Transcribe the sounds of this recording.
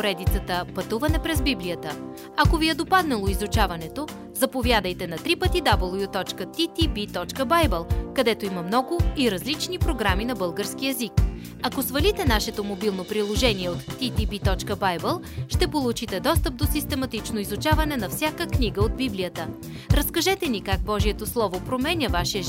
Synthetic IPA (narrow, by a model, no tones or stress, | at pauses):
oɾɛd̪it̪sət̪əpɐt̪uvɐnɛpɾɛzbiblijət̪ə | ɐkoviɛd̪opad̪nɛlˠoizut͡ʃavɐnɛt̪o | zɐpovjad̪əjt̪ɛnɐt̪ɾipət̪id̪abəlˠjut̪ɔt͡ʃkət̪it̪ibit̪ɔt͡ʃkəbajbɛlˠkɐd̪ɛt̪oimɐmnɔɡʊiɾɐzlit͡ʃnipɾoɡɾaminɐbɤlˠɡəɾsk̟iɛzik | ɐkosvɐlit̪ɛnaʃɛt̪omobilˠnopɾilˠoʒɛniɛot̪ːit̪ibit̪ɔt͡ʃkəbajbɛlˠ | ʃt̪ɛpolˠut͡ʃit̪ɛd̪ɔst̪əp̚d̪osist̪ɛmɐt̪it͡ʃnoizut͡ʃavɐnɛnɐfsʲjakəkniɡəod̪̚biblijət̪ə | ɾɐskɐʒɛt̪ɛnikaɡ̚bɔʒiɛt̪oslˠɔvopɾomɛnʲəvaʃiə